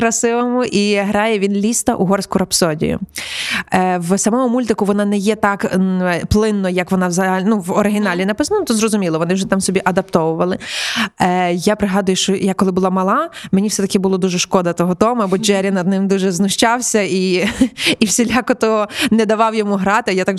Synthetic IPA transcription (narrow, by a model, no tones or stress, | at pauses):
kɾɐsɪʋomʊʔiɦɾɑjɛʋʲinlʲist̪ɐʔuɦɔrsʲkʊɾɐpsɔdʲḭjʊ̰ | wsɐmɔmʊmulʲt̪ɪkʊʋɔnɑnɛjɛt̪ɑkplˠɪnːɔjɐkʋɔnɑwzɐɦlʲnuʋɔɾɪɦʲɪnɑlʲinɐpɪsnɐnt̪ɔzɾɔzʊmʲilˠɔʋɔnɪwʒɛt̪amsɔbʲiʔɐd̪ɐp̚t̪ɔʋʊʋɐlˠɪ | japɾɪɦɑd̪ʊjʊʃt͡ʃɔjakɔlˠɪbʊlˠɑmɐlˠɑmenʲifsɛt̪ɐkɪbʊlˠɔd̪uʒɛʃkɔd̪ɐt̪ɔɦɔt̪ɔmɐbɔd͡ʒɛɾʲɐnɐd̪̚nɪmd̪uʒɛznʊʃt͡ʃɑwsʲɐi | iwsʲelʲɑkɔt̪ɔnɛd̪ɐʋɑwjɔmuɦɾɑt̪ɪjat̪ɑk